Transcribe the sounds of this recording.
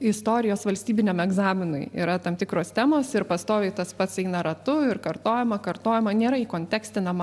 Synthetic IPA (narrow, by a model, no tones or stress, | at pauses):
ɪst̪oːɾʲɪjoːsʋɐlʲsʲt̪ʲiːbʲɪnʲeːmɛɡzɑːmʲɪnʊ̰ɪḭːɾɐt̪ɐmt̪ʲɪkɾoːst̪ʲæːmoːsɪɾpɐst̪oːʋʲɛɪt̪ɐspɐt̪sɛɪnɐɾɐt̪ʊɪrkɐrt̪oːjɛmɐkɐrt̪oːjɛmɐnʲeːɾɐiːkoːnʲt̪ʲæːksʲt̪ʲɪnɐm